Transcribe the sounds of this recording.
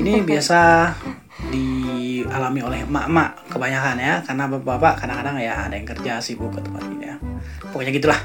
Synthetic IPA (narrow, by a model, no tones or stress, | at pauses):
inibiasa | dialamiolɛhəmaʔəmaʔkəbaɲakanjakarnabapapaʔkadaŋkadaŋja̰ːdajaŋkərd͡ʒasibukət̪ə̥pa̰t̪̚ia | pəkoɲaɡit̪ulah